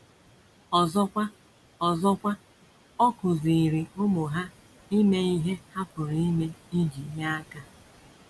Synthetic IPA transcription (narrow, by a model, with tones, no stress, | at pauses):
ɔ˨zɔ˦kʷa˦ | ɔ˨zɔ˦kʷa˦ | ɔ˦kʊ˨zi˨i˨ɾi˨o˦mʊ˨ɦa˦ | i˦ne˦i˦ɦe˦ha˦pʊ˨ɾi˦ne˦i˦d͡ʒi˨˦ɲa˦a˦ka˦